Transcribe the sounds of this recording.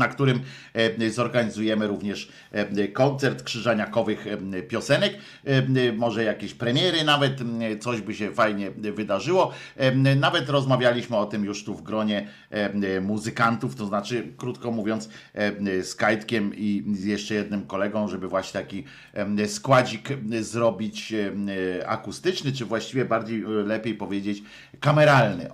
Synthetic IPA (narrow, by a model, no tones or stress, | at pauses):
nakt̪uɾɘm | zɔɾɡaɲizujɛmɘɾuvɲɛʂ | kɔnt̪sɛɾt̪kʂɘʐaɲakɔvɘxpʲjɔsɛnɛk | mɔʐɛjakʲeɕpɾɛmʲjɛɾɘnavɛt̪sɔʑbɘɕɛfajɲɛvɘd̪aʐɘwɔ | navɛt̪ɾɔzmavʲjalʲiɕmɘɔt̪ɘmjuʂt̪uvɡɾɔɲɛ | muzɘkant̪uft̪ɔznat͡ʂɘkɾut̪kɔmuvʲjɔnt̪s | skajt̪kʲɛmijɛʂt͡ʂɛjɛd̪̚nɘmkɔlɛɡɔ̃w̃ʐɛbɘvwaɕɲɛt̪akʲi | skwad͡ʑikzɾɔbʲit͡ɕ | a̰kust̪ɘt͡ʂnɘt͡ʂɘvwaɕt͡ɕivʲjɛbaɾd͡ʑejlɛpʲjejpɔvʲjed͡ʑet͡ɕ | kamɛɾalnɘ̰